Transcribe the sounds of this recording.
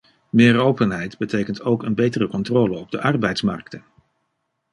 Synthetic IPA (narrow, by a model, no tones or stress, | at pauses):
mɪːrowpənɦɛjdbətejkəntowkənbejtərəkɔntroːləɔb̚dəʔɑrbɛjtsmɑ̰ɹk̚tən